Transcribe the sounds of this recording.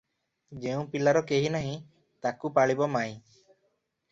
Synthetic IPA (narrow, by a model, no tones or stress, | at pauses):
d͡ʒeũpilaɾɔkeɦinaɦĩ | t̪akupaɭibɔmaj̃